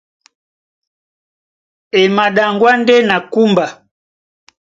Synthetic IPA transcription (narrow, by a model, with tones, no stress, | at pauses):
ɛ˨ma˨ɗa˨ŋɡwa˦ndɛ˦na˨ku˦mba˨